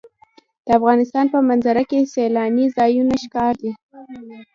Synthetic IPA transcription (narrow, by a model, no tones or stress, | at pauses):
d̪̥əafɣɑnɪst̪ɑnpəmanzaɾakeselɑnizɑjunaʃkɑɾd̪i